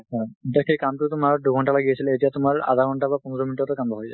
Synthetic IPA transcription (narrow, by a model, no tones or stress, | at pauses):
atakʰejkamtʊtʊmaɹduɡʱɔɳʈalaɡijasiletijatʊmaɹa̰d̪ʱaɡʱɔɳʈabapɔnɹɔminitɔtɔkambɔɦojza̰